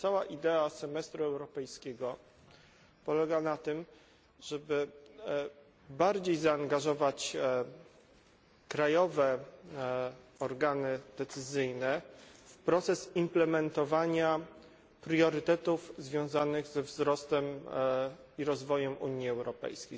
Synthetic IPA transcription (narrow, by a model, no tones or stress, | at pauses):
t̪sawaʔid̪ɛasɛmɛst̪ɾuɛwɾɔpɛjskʲɛɡɔ | pɔlɛɡanat̪ɘm | ʐ̥ɛbɘ | baɾd͡ʑejzaːŋɡaʐɔvat͡ɕ | kɾajɔvɛ | ɔɾɡanɘd̪ɛt̪sɘzɘjnɛfpɾɔt̪sɛsimplɛmɛnt̪ɔvaɲa | pɾjɔɾɘt̪ɛt̪ufzvʲjɔ̃w̃zanɘɣzɛvzɾɔst̪ɛm | iɾɔzvɔjɛmuɲiɛwɾɔpɛ̰jskʲej